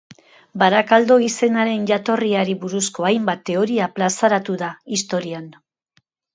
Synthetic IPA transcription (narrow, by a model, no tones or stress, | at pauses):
baɾakald̪o̞ise̞naɾe̞nʝat̪o̞riaɾiβuɾusko̞ajmbat̪ːe̞o̞ɾiaplasaɾat̪uðaist̪o̞ɾian